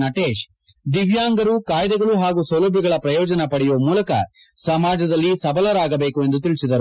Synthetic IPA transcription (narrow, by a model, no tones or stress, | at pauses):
nɐʈeːʃ | d̪iʋjaːŋɡɐɾukaːjd̪ɛɡɐɭuɦaːɡusɐwlɐbʱiɡɐɭɐpɾɐjɔːd͡ʒɐnɐpɐɽɛjoːmuːlɐkɐ̰ | sɐmaːd͡ʒɐd̪ɐlːisɐbɐlɐɾaːɡɐbe̞ːkue̞nd̪ut̪iɭisid̪ɐɾu